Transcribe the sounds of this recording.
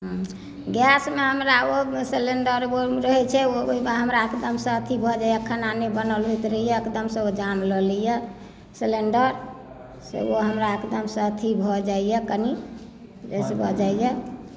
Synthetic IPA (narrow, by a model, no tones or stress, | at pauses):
ɦ | ɡɛsmeɦəmɾaoseleɳɖəɾoɾəɦɛt͡ʃʰɛooiɦəmɾaekd̪əmsə̃ət̪ʰibʱɔd͡ʒajəkʰːənanebənəlɦut̪ɾəɦijɛekd̪əmsə̃od͡ʒamləlijɛ | seleɳɖəɾ | sḛoɦəmɾaekd̪əmsə̃ət̪ʰibʱɔd͡ʒaijɛkəni | d͡ʒesebʱɔd͡ʒaijɛ